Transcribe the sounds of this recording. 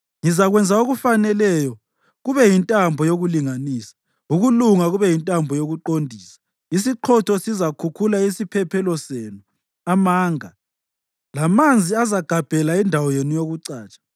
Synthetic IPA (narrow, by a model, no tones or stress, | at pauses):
ŋizaɣwɛnd͡zʱaoɣufanɛlɛjɔ | ɣuβɛjintʼambʱɔjoɣuliŋaniːsḁ | uɣuluŋaɣuβɛjintʼambʱɔjoɣuǃondʱiːsḁ | is̬iǃʰɔtʰɔsizakʰukʰulaisipʰɛpʰɛlɔseːnu | amaːŋa | lamand͡zʱiazaɡ̥ʱab̥ʱɛlaindʱawɔjenijoɣuǀaːt͡ʃʼḁ